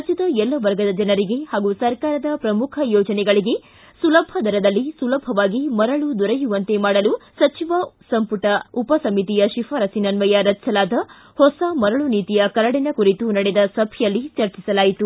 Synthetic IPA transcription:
ɐt͡ʃid̪ɐɛlːɐʋɐɾɡɐd̪ɐd͡ʒɐnɐɾiɡe̞haːɡusɐɾkaːɾɐd̪ɐpɾɐmukʰɐjɔːd͡ʒɐnɛɡɐɭiɡe̞ | sulɐbʱɐd̪ʱɐɾɐd̪ɐlːisulɐbʱɐʋaːɡimɐɾɐɭud̪ɔɾɐjuʋɐnt̪e̞maːɽɐlusɐt͡ʃiʋɐsɐmpuʈɐupɐsɐmit̪ijɐʃifʰɐɾɐsinɐnʋɐjaɾɐt͡ʃːt͡ʃɐlaːd̪ɐ | hɔsɐmɐɾɐɭuniːt̪ijɐkɐlɐɽinɐkuɾit̪unɐɽed̪ɐsɐbʱjɐlːit͡ʃɐɾt͡ʃisɐlaːjit̪u

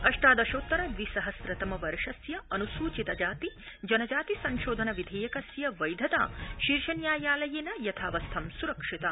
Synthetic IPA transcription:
ɐʂʈaːd̪ɐʃoːt̪ːɐɾɐʋisɐɦɐsɾɐt̪ɐmɐʋɐɾʂɐsjɐɐnusuːt͡ʃit̪ɐd͡ʒaːt̪id͡ʒɐnɐd͡ʒaːt̪isɐnʃoːd̪ʱɐnɐʋid̪ʱeːjɐkɐsjɐʋɐjd̪ʱɐt̪a̰ːʃiɾʃɐnjaːjaːlɐjeːnɐjɐt̪ʰaːʋɐst̪ʰɐmsuɾɐkʂit̪ɐ

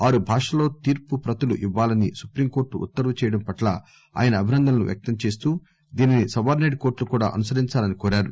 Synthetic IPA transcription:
aːɾubʱaːʂɐlo̞ːt̪iːɾpupɾɐt̪ɐluʔiʋːaːlɐnisupɾiːmko̞ːɾʈuṵt̪ːɐɾʋɐt͡ʃɛːjɐɽɐmpɐʈlɐ̰ | a̰ːjɐnɐːbʱinɐnd̪ʱɐlnuʋjɐ̰k̚t̪ɐmt͡ʃe̞ːst̪uː | d̪iːninisɐʋaːɾneɖko̞ːɾʈlukuːɽa̰ːʔɐnusɐɾiɲt͡ʃaːlɐnikoːɾaːɾu

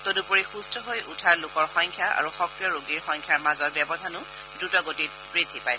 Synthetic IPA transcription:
t̪odupoɹixustʰɔɦojutʰalʊkɔɹxɔjŋkʰjaa̰ɹuxɔkɹijɔɹoɡiɹxɔ̃ŋkʰjaɹmazɔɹbjɛbɔdʱanʊ | dutɔɡotit̚pɹit̪ʰipaj

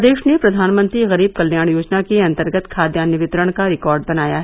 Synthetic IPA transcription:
d̪eːʃnepɾɐd̪ʱaːnmə̃nt̪ɾiɣɐɾiːb̚kɐlːjaːɳ̃joːd͡ʒnakiɐ̃nt̪əɾɡət̪kʰaːd̪jaːnɪʋɪt̪ɾəɽ̃kaɾɪkɔːɾɖbɐnaːjaɦɛ

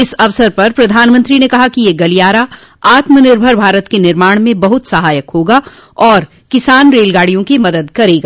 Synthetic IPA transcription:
ɪsɐʋsəɾpɐɾpɾɐd̪ʱaːnmə̃nt̪ɾinekɐɦakijeːɡɐlijaːɾa | aːt̪mənɪɾbʱəɾbʱaːɾət̪kenɪɾmaːɽ̃mẽbɐɦʊt̪sɐɦaːjəkɦoːɡa | ɔːɾ | kɪsaːnɾeːlɡaːɽ̤ijõkimɐd̪əd̪kɐɾeːɡaː

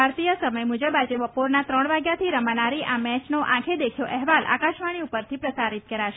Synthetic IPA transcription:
bʱaɾt̪ijəsəməjmud͡ʒəbad͡ʒeʋəpoɾnat̪ɾəɳʋaɡjat̪ʰiɾəmənaɾiʔamɛ̃t͡ʃnoʔã̰kʰed̪ekʰjoʔɛɦʋalʔa̰kaʃʋaɽ̃iupəɾt̪ʰipɾəsaɾit̪̚kəɾaʃe

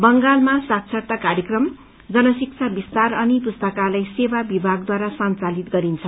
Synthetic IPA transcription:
bʌŋɡalmasak̚t͡sʰʌrt̪akaɾjʌkrʌm | d͡zʌnʌsik̚t͡sʰabist̪arʌnipust̪ʌkalajsebabibʱaɡ̚d̪waɾasʌnt͡salit̪ɡʌɾint͡sʰʌ

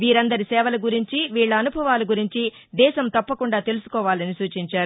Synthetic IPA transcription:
ʋiːɾɐnd̪ɐɾisɛːʋɐlɐɡuɾiɲt͡ʃiʋiːɭːɐɐnubʱɐʋaːlɐɡuɾiɲt͡ʃi | d̪ɛːʃɐmt̪ɐpːɐkuɳɖaːt̪e̞lusu̥kɔːʋaːlɐnisuːt͡ʃiɲt͡ʃaːɾu

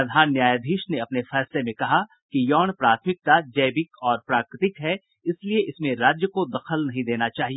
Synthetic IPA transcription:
ɐd̪ʱaːnːjaːjad̪ʱiːʃneɐpnefɛːslemẽkɐɦa | kijɔːñpɾaːt̪ʰmɪk̚t̪ad͡ʒɐːbɪkɔːɾpɾaːkɾɪt̪ɪkɦɛ | ɪslieʔɪsmẽɾaːd͡ʒjəkod̪ɐxəlnɐɦĩd̪eːnat͡ʃaːɦie

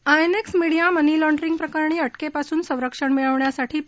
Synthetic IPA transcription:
ajneksmiɽijamənilɔɳɖɾiŋɡ̚pɾəkaɾɳiːəʈkepasuːnsə̃w̃ɾəkʂəɳmiɭəʋɳjasaʈʰiː

